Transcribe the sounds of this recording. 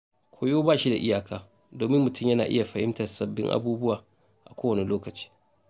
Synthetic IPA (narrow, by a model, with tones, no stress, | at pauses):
kʷʰoː˦joː˦baː˦˨ʃi˦da̰˨ʔɪ˦jaː˨kaː˦ | doː˨mɪ˦mːʊ˨tʰʊ˦˨mjɐ˦naː˨ʔɪ̰˦ja˨ɸɐ˨hɪ˦mtɐ˨rsɐ˨bːɪ̰˦ŋʔa̰˦buː˦bʊ˦waː˨ | ʔa̰˨kʷoː˦wɐ˨ni˨loː˦kɐ˨t͡ʃi̥ː˦